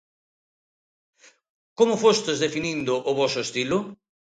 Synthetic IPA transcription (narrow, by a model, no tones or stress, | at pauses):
komʊfost̪ɪzd̪efinind̪ʊʔːvɔsʊst̪ilʊ